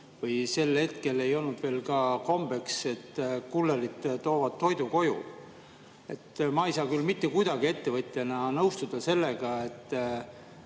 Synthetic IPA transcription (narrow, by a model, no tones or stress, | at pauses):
vɤjse̞lhe̞t̪ke̞le̞jo̞lnud̪̥ve̞ːlkɑko̞mb̥e̞kse̞t̪ːkulːeɾit̪ːt̪o̞ːvɑd̪̥̚t̪ːo̞jd̪uko̞jṵ | e̞̰t̪ːmɑːejsɑːkylmit̪ːe̞kujd̪̥ɑɡ̥ie̞t̪ːe̞vɤt̪ʲːˑenɑnɤwst̪ud̪̥ɑse̞lːe̞ɡ̥ɑe̞t̪ːˑ